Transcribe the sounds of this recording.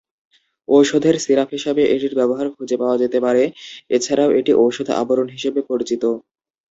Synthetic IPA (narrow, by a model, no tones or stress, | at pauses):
owʃod̪ʱeɾsiɾafɦiʃebeʔeʈiɾbɛboɦaɾkʰud͡ʑepaoad͡ʑet̪epaɾeet͡ɕʰaɾaoʔeʈiʔowʃod̪ʱa̰boɾonɦiʃebepoɾit͡ɕit̪o